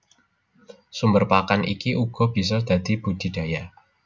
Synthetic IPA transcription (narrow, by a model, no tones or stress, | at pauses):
sumbərpakanʔḭkiʔuɡ̥ɔ̤b̥i̤s̬ɔd̪̥a̤d̪̥i̤b̥ud̪̥i̤d̥a̤ja